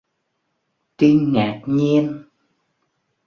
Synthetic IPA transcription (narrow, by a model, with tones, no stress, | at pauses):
t̪i˧nŋaː˨˩k̚ɲi˧ən